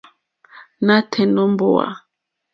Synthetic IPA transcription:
na˦tʰɛ˨nɔ˦mbo˨wa̰˨

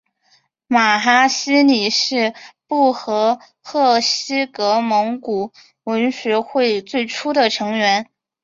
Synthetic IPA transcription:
ma˨˩xa˥ɕi˥ni˨˩ʂɻ̩˥˧pu˥˩xɤ˧˥ | xɤ˥˩ɕi˥kɤ˧˥mɤ˧˥ŋku˨˩ | wə˧˥nɕɛ˧˥xwe˥˧ɪt͡swe˥˩ɪʈ͡ʂʰu˥d̪ə˨ʈ͡ʂʰɤ˧˥ŋɥɛ˧˥n

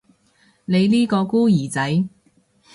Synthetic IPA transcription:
ne˨˧jliː˥kɔː˧kuː˥jiː˨˩t͡sɐ˨˥j

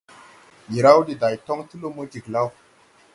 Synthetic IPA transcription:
ji˨ɾa˦wdi˨da˨jtɔ˦ŋtu˦lo˦mo˦d͡ʒi˨kla˦w

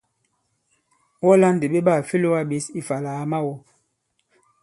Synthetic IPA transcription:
wɔ˦la˦n˨de˨ɓe˦ɓa˦˨fe˦lo˦wa˦ɓe˨˦si˦fa˨la˨a˨ma˦wɔ˦

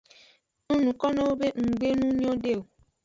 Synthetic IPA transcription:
nu˦nu˨kɔ˦no˦o˦be˦ŋ̩˨ɡ͡be˦nũ˦ɲ˦o˦de˦˨wo˨

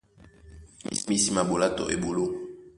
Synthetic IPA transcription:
mi˨si˨ma˨bo˨la˦tɔ̰˨ʔḛ˨bo˨lo˦

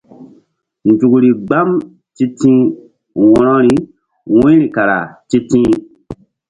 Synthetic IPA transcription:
n̩˨tu˨ɡu˨ɾi˨ɡ͡ba˦m | ti˦tĩ˦ | wɔ̃˦nɔ̃˦ɾi˦ | wĩ˦ɾi˨ka˨ɾa̰˨tĩ˦tĩː˦

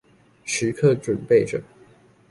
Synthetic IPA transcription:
ʂɻ̩˧˦kʰɤ˥˧˩ʈ͡ʂwə˨˩npe˥˩ɪʈ͡ʂə˨˩

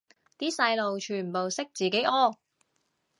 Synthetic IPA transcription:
t̪iː˥sɐ˧jlo˨wt͡ʃʰyː˨˩npo˨wsɪ˥k̚t͡siː˨˩ke˨˥jʔɔː˥

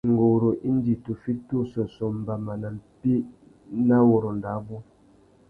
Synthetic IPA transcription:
ŋ̩˨ɡo˨ɾo˨ʔi˦n˦di˨tu˨fi˦tu˦sɔ˨sɔ˨m̩˨ba˨ma˨na˨mpi˦ | na˦wo˨ɾo˨n˨da˨˦bu˦

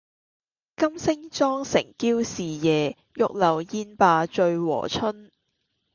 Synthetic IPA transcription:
kɐ˥msɪ˥ŋt͡ʃɔː˥ŋsɪ̰˨˩ŋkiː˥wsiː˨jɛː˨ | jʊ˨k̚lɐ˨˩wjiː˥npaː˧t͡ʃɵ˧ɥwɔ̰ː˨˩t͡ʃʰɵ˥n

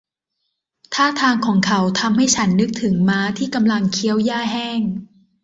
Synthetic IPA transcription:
t̪ʰaː˥˩t̪ʰaː˧ŋkʰɔː˩˦ŋkʰa˨˦wt̪ʰa˧mha˥˩jt͡ɕʰa˦˥nːɯ˦˥k̚t̪ʰɯ˩˦ŋmaː˦˥t̪ʰiː˥˩ka˧mla˧ŋkʰi˦˥əwjaː˥˩ɦɛː˥˩ŋ

